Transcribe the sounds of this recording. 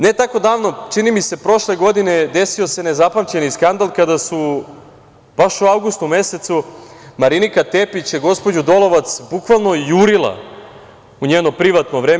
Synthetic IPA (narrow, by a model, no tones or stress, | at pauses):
ne̞t̪ako̞d̪aːʋno̞t͡ʂinimise̞pɾo̞ʃleɡo̞d̪ine̞d̪e̞sio̞se̞ne̞zapamt͡ɕe̞niskand̪alˠkad̪asu | b̥aʃuawɡust̪ume̞se̞t̪sumaɾinikat̪epit͡ɕjeɡo̞spo̞d͡ʑud̪o̞lo̞ʋat̪sbukʋalˠno̞juɾilˠa̰ | uɲeːno̞pɾiʋat̪noʋɾeːm